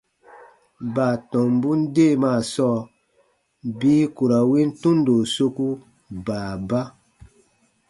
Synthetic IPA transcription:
baː˨tɔ̃˨m˦bu˦n˦de˦˨maː˦˨sɔː˦˨ | biː˦ku˨ɾa˨wi˦n̩˦tũ˦ndo˨so˦ku˦ | baː˨ba˦

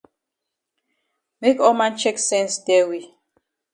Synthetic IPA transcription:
me˦kɔ˦mã˦nt͡ʃɛ˦ksɛ̃˦nsdɛ˦wi˨

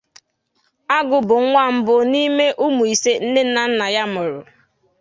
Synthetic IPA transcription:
a˦ɡʊ˨bʊ˨˦ŋʷa˦˨m̩˦bʊ˨ni˦me˦ʔu˦mu˨i˨se˦n̩˦ne˦n̩˦na˨n̩˦na˨ja˦mʊ˨ɾʊ̰˨

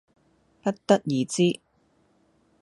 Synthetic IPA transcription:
pɐ˥t̚t̪ɐ˥t̚jiː˨˧t͡siː˥

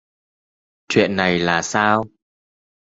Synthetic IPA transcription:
t͡ɕwḭ˧˨ənːa˨˩jlaː˨˩saː˧w

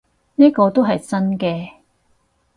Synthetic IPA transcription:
niː˥kɔː˧t̪o˥wɦɐ˨jt͡sɐ˥nkɛː˧

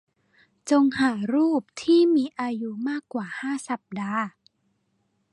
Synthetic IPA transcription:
t͡ɕo˧ŋhaː˩˦ɾuː˥˩p̚t̪ʰiː˥˩miː˧ʔaː˧ju˦˥maː˥˩kːwaː˨˩haː˥˩sa˨˩p̚daː˧

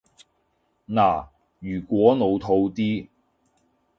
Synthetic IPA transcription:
naː˨˩ | jyː˨˩kʷwɔː˨˥no˨˧wt̪ʰo˧wt̪iː˥

